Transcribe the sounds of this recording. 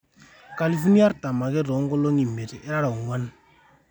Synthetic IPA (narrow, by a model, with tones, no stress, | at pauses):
ka˨li˨fu˦ni˦a˦ɾta˨ma˨ke˦ɾɔ˨˦ŋ˦ɡɔ˦lo˦ŋi˨me˨tɛ˦ɾa˦ɾa˨ŋwa˦n